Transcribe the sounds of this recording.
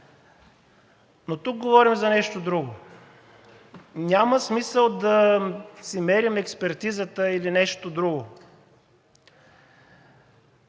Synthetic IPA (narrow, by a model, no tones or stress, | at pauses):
not̪uk̚ɡovɔɾimzɐnɛʃt̪od̪ɾuɡo | nʲaməsmisəlˠd̪ɐsimɛɾimɛkspɛɾt̪izət̪əilinɛʃt̪od̪ɾuɡo